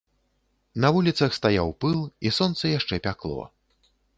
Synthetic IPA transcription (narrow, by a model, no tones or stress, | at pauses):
nɐvulʲit̪sɐxst̪ajawpɨlˠisɔnt̪sɐjaʂt͡ʂɛpʲaklˠɔ̰